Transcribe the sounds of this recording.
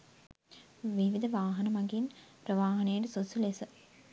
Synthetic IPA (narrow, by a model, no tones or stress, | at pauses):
ʋiʋid̪əʋaːɦɐnɐmaɡinpɾəʋaːɦɐnəjəɖəsosulesə